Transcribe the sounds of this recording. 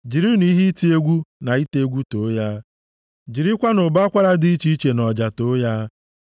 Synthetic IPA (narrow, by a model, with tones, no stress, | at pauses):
d͡ʒi˨ɾi˦ni˦ɦi˦ti˦e˦ɡʷu˦na˨i˦te˦ɡʷu˦to˨˦ja˦ | d͡ʒi˨ɾi˦kʷa˦nʊ˨ba˦kʷa˦ɾa˦di˦i˦t͡ʃi˦i˦t͡ʃe˨nɔ˨d͡ʒa˨to˦ja˦